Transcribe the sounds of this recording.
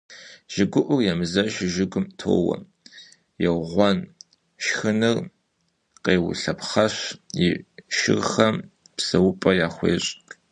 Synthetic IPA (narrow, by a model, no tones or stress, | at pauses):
ʒ̥ɪɡʷʊʔʷʊrjɛmɨzɐʃɪʒɪɡʷʊmtʰo̰ːwɐ̰ | jɛwʁʷɔn | ʃxɨnɨr | qeːwʊ̰ɬɐpχɐɕjɪʃɪ̰rxɐm | psɐwʊpʼɐjaːχʷḛːɕʼ